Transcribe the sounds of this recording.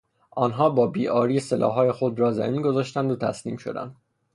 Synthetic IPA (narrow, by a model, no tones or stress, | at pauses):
ʔɒːnɦɒːbɒːbiːʔɒːɾiːselʔɒ̰ːɦɒːjexod̪ɾɒːzæ̰miːnɡo̞zɒːʃt̪ænd̪ot̪ʰæ̰sniːmʃo̞̰d̪æ̰nd̪